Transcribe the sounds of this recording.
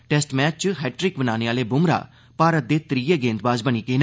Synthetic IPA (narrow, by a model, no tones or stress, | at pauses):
ʈɛːsʈmɛːt͡ʃt͡ʃɦɛːʈɾɪkbənaːneːaːleːbʊmɾa̰ː | paːɾət̪̚d̪eːt̪ɾiːjeːɡẽːnt̪baːzbəñiːkeːn